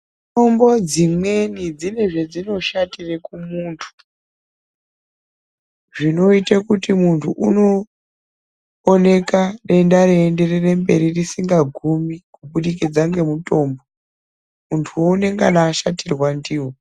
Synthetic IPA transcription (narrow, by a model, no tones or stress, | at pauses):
to̞mbo̞d͡zimwe̞nid͡zine̞ʐe̞d͡zino̞ʃatirekumuːntʰu̥ | ʐino̞itakutimuntʰuʔuno̞ | ne̞kaɗe̞ndaɾeːnde̞rere̞mbe̞ɾirisiŋɡaɡʱumikuɓuɗikid͡zaŋɡe̞muto̞mbo | muntʰuwo̞une̞ŋɡanaːʃatirwandiːwo